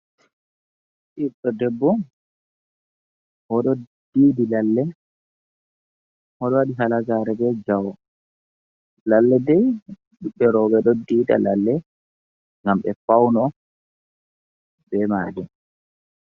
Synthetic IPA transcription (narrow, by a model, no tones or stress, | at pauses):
ɗiɗɔdɛbːɔ | hɔɗɔd̥iːdilalːɛ | hɔɗɔwaɗiɦalaɡaɾɛbɛd͡ʒawɔ | lalːɛdɛj | ɗuɓːɛɾɔːɓɛɗɔdiːda̰lalːɛ | ŋɡamɓɛfawnɔ | bɛmad͡ʒɛ